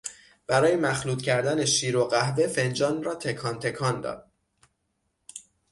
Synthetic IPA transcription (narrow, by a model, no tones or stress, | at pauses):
b̥æɾɒːjemæxluːt̪cʰæɾd̪æneʃiːɾoɢæhve̞fe̞nd͡ʒɒːnrɒːt̪ʰe̞kʰɒːnt̪ʰe̞kʰɒːnd̪ɒ̰ːd̪̥̚